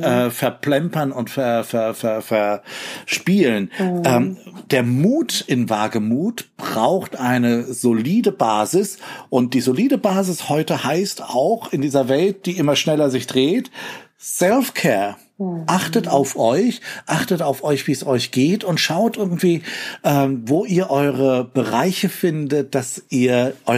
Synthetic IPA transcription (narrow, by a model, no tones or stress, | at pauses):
ʔɛːfɛɐpl̥ɛmpɐnʊntfɛɐfɛɐfɛɐfɛɐʃpiːlənʔɛːmd̥eːɐmuːtʔɪnvaːɡəmuːtb̥ʁaʊxtʔaɪnəzoliːdəbaːzɪsʔʊnt̚d̥iːzoliːdəbaːzɪshɔʏtəhaɪstaʊxɪndiːzɐvɛlt̚d̥iːʔɪmɐʃnɛlɐzɪçd̥ʁeːt | sɛlfkʰɛːɐ | ʔaχtətaʊfʔɔʏçʔaχtətaʊfʔɔʏçv̥iːɛsɔʏçɡ̥eːtʊntʃaʊtʔɪɐɡŋ̩tv̥iːʔɛːmvoːʔiːɐʔɔʏʁəb̥əʁaɪçəfɪndət̚d̥asʔiːɐʔɔʏ